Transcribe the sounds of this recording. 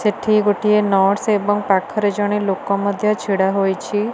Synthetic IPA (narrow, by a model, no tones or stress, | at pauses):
seʈʰiɡoʈienɔɽsebɔŋpakʰɔɾed͡ʒɔɽ̃ilokɔməd̪ʱjɔt͡ʃʰiɽaɦojt͡ʃʰi